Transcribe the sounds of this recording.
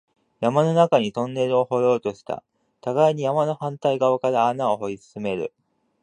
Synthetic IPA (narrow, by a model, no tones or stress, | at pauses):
jamano̞nakaɲ̟it̪õ̞nːe̞ɾɯ̟o̞ho̞ɾo̞ːt̪o̞ɕi̥t̪a̰ | t̪aɡaiɲ̟ijamano̞hãnt̪aiɡaβakaɾaːnaoɦo̞isɨ̥sɨme̞ɾɯ̟̰